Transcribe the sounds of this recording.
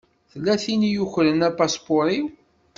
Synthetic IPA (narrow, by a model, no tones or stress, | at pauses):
θəlːæθinjuçɾənæpaspoɾˤi